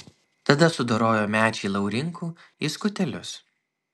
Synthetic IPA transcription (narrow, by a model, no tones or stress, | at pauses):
t̪ɐd̪ɐsʊd̪oɾoːjoːmʲæːt͡ʃʲɛɪlˠɐʊɾʲɪŋkʰuːiskʊt̪ʲɛlʲʊs